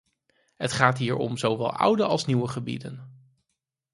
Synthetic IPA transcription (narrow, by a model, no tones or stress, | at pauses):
ɦətχaːtɦiːɹɔ̰mzowʋɛ̰lˠʔʌ̰wdəɑlˠsniwəχəbḭdə̰n